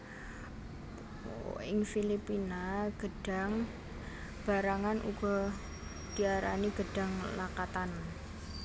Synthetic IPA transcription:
ɪŋfilipinaɡ̥əɖ̥a̤ŋ | b̥a̤ɾaŋanʔṵɡ̥ɔ̤ | d̥iaɾa̰niɡ̥əɖ̥a̤ŋlakat̪an

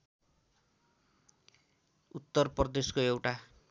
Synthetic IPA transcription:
ut̪ːʌrprʌd̪eskoewʈa

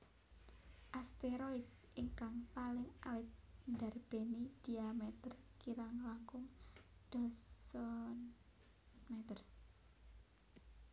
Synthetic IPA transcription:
ʔast̪eɾoit̪̚ | ʔɪŋkaŋpalɪŋalɪt̪̚nd̪a̤rb̥e̤nid̪̥iamɛt̪ərkiɾaŋlakʊŋd̪̥ɔsɔn | mɛt̪ər

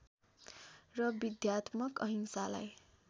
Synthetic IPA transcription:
rʌbid̪jat̪mʌkʌɦiŋsala̰j

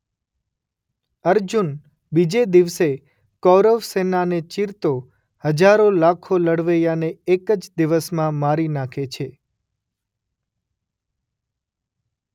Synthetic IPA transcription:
əɾd͡ʒun | bid͡ʒed̪iʋse | kɔɾəʋsenanet͡ʃiɾt̪o | həd͡ʒaɾolakʰoləɽʋəjaneekəd͡ʒd̪iʋəsmãmaɾinakʰet͡ʃʰe

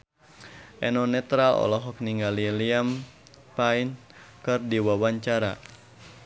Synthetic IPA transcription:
ʔɛnɔnɛt̪ɾalɔ̰lɔɦɔk̚niŋɡaliliam | painkɨrdiwawaɲt͡ʃaɾa̰

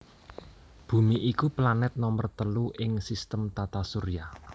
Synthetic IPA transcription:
b̥ṳmiʔikuplanɛt̪̚nɔmərt̪əluʔɪŋsist̪əmt̪at̪asuɾija

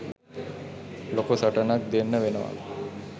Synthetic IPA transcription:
lokosaʈənak̚d̪enːəʋenəʋa̰

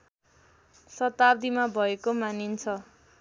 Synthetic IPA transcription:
sʌt̪ab̚d̪imabʱʌekomanint͡sʰʌ

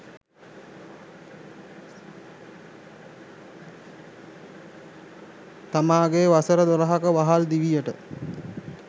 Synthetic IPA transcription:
t̪amaːɡeʋasəɾəd̪oɾəɦakəʋaɦald̪iʋijəʈə̰

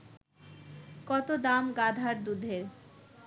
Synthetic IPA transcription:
kɔt̪od̪amɡad̪ʱaɾd̪ud̪ʱeɾ

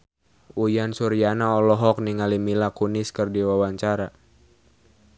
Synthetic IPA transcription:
ʔujansuɾianaɔlɔɦɔk̚niŋalimilakuniskərdiwawaɲt͡ʃaɾa

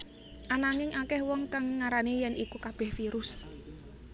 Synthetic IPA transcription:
ʔanaŋɪŋʔakɛhwɔŋkaŋːaɾanejɛnikukab̥ɛ̤hfiɾʊs

